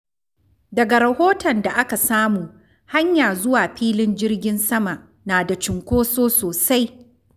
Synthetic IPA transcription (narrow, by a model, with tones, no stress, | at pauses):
dɐ˨ɡa˨ɾɐ˨hoː˦tɐ˨nda˨ʔa˦ka˨saː˦muː˨ | ha˦ɲjaː˨zʊ˦waː˨ɸiː˦lɪ˦nd͡ʒɪ˦rɡʲɪ˦nsɐ˦ma˨ʔ | naː˨da˨t͡ʃɪ˨ŋkʷoː˦soː˦soː˨sa˦j